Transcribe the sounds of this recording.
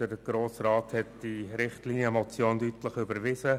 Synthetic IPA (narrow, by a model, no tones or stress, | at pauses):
d̥əɾɡ̥ɾoːsɾɑːthɛtd̥iɾɪχtliːnjəmɔt͡sjoːndytləχʏbəɾʋɪzə